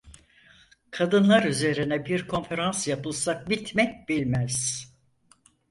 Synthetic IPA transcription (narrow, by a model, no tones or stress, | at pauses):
kʰad̪ɯnlˠaɾyze̞ɾinɛbiɾkʰo̞nfe̞ɾansjapɯlˠsak̚bit̪mɛc̚bilʲmæz̥